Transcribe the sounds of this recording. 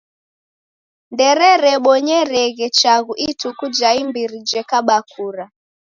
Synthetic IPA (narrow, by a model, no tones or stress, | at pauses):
ndɛɾɛɾɛɓɔɲɛɾɛɣɛt͡ʃaɣuʔitukud͡ʒaimbiɾid͡ʒɛkaɓakʰuɾa